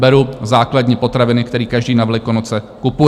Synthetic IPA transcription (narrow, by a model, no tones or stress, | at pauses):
bɛɾuzaːkladɲiːpo̞t̪ɾavɪnɪkt̪ɛɾiːkaʒdiːnavɛlɪkonot͡sɛ | kupu